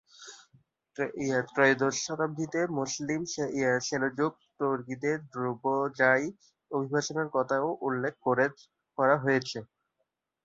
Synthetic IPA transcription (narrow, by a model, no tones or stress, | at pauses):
iat̪ɾɔjd̪oʃat̪abʱːit̪emuslimʃeiaɾʃelod͡ʑoɡ̚t̪oɾkid̪eɾd̪ɾubod͡ʑaj | obʱibʱaʃoneɾkɔt̪ʰaoʔulːek̚ʰkoɾe | kɔɾaɦojet͡ɕʰe